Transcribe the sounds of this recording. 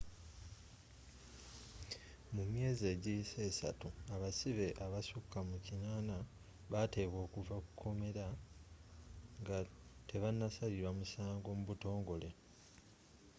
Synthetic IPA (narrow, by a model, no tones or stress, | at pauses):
mumje̞ːzieːɟise̞ːsa̰tuaβasiβe̞ʔaβasukːamucinaːna | βate̞βo̞ːkuvakukʰːo̞me̞ɾa | ŋɡate̞βanːasaliɾwamusaːŋɡo̞muβuto̞ːŋɡo̞le̞